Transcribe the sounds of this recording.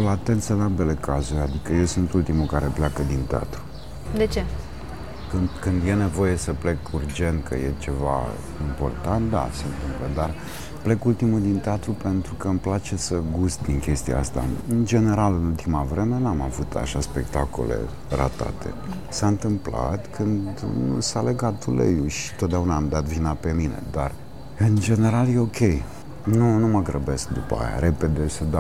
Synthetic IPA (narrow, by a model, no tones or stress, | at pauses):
lat̪e̞nt̪sɨnalbe̞le̞kazuɾʲad̪ikəjewsunt̪ult̪imukaɾe̞plakəd̪int̪ea̰t̪ɾu | d̪et͡ʃe̞ | kɨnd̪kɨnd̪je̞ne̞vo̞je̞səple̞kurd͡ʒe̞nt̪̚kʰə̰jet͡ʃe̞va̰ | impo̞̰rt̪ant̪̚d̪a̰seɨnt̪ɨmpləd̪ar | ple̞kult̪imud̪int̪eat̪ɾupe̞nt̪ɾukəɨmplat͡ʃe̞səɡust̪̚d̪iŋkʲe̞st̪ija̰ast̪a̰ɨnd͡ʒe̞ne̞ɾalɨnult̪imavɾe̞me̞namavut̪ʰa̰ʃaspe̞kt̪ako̰le̞̰ | ra̰t̪a̰t̪ʰe̞̰ | saɨnt̪ɨmpla̰t̪kʰɨnd̪d̪sale̞ɡat̪̚d̪ulḛjuʃi̥t̪ot̪̚d̪eaunaːmd̪at̪vinape̞mine̞̰d̪ar | ɨnd͡ʒe̞ne̞ɾalje̞o̞kʲʰe̞j | nunuməɡɾəbe̞sk̚d̪upa̰ja̰ɾe̞pe̞d̪e̞səd̪a